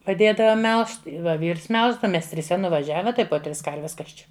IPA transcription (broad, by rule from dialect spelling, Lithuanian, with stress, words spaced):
pɐˈdʲeːdɐʋoː ˈmʲɛlˠʃt ˈʋɐ ˈʋʲiːrs ˈmʲɛlˠʒdɐʋɐ ˈmʲɛs tʲrʲɪˈsʲɛ nʊʋɐˈʒʲæːʋʲɛ ˈtɐɪ poː ˈtʲrʲɪs ˈkɐrʲʋʲɛs ˈkɐs t͡ʃʲɛ